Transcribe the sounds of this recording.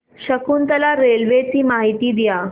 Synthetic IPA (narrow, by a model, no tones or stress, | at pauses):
ɕəkʰuːnt̪əlaɾelʋet͡siːmaɦit̪iːd̪ija